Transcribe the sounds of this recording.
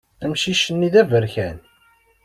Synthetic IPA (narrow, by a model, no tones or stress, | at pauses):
æmʃiʃənːiðævəɾçæn